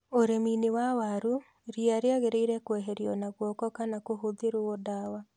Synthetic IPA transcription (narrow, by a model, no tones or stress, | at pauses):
oɾeminewawaɾu | ɾiaɾeaɣeɾeiɾɛkwɛɦɛɾjɔnaɣwɔkɔkanakoɦoðeɾoodawa